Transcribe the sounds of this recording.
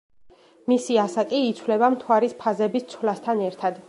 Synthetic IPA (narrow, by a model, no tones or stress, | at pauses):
misiasakʼiːt̪sʰwlɛbamt̪ʰwaɾispʰazɛbist̪sʰwlast̪ʰanɛɾt̪ʰad̪